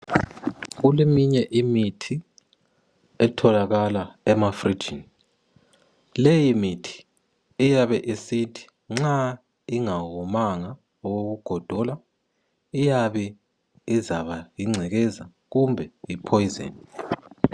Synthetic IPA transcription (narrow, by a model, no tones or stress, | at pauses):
ɣulemiɲɛʔimitʰi | ɛtʰɔlaɣalaɛmafri̥d͡ʒʱin | lejimitʰi̥ | ijaβɛʔisitʰi̥ | ŋ͡ǁa | iŋaɣɔmaŋa | ɔɣoɣuɡ̥ʱɔd̥ʱɔla | ijaβɛ | izaβajiŋ͡ǀʱɛɣɛza | ɣumbʱɛipʰɔjizḛːni